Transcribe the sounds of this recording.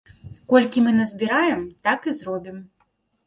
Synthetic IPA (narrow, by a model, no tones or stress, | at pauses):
kɔlʲkʲimɨnɐzʲbʲiɾajɛmt̪akɨzɾɔbʲim